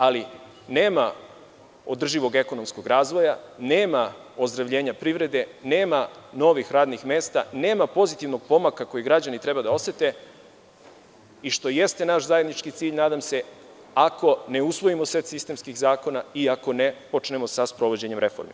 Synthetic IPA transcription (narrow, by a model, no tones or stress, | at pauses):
ali | ne̞ːma | o̞d̪r̩ʒiʋo̞ɡe̞ko̞no̞msko̞ɡɾaːzʋo̞janeːmao̞zd̪ɾaʋʎe̞ːɲapɾiʋɾe̞d̪e̞neːmano̞ʋixɾaːd̪nixme̞ːst̪a̰ne̞ːmapo̞zit̪iʋno̞ɡ̥̚po̞makako̞jiɡɾad͡ʑanit̪ɾe̞bad̪ao̞se̞t̪e̞ | iʃt̪o̞je̞st̪e̞naʃzajed̪nit͡ʃkit̪siːʎnaːd̪amse̞ | ako̞neusʋo̞imosʋet̪sist̪e̞mskiɣzaːko̞naiako̞ne̞po̞t͡ʃne̞mo̞saspɾo̞ʋo̞d͡ʑe̞ɲe̞mɾe̞fo̰ɾmḭ